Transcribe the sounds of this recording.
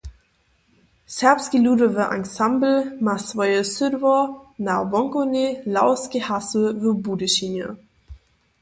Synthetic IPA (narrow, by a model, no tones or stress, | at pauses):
sɛɐpskiluːdəvəʔa̰ŋsambl̩masvɔjəsʏdvɔnavɔŋkonelaʊskihasəvəbuːdəʃinjə̰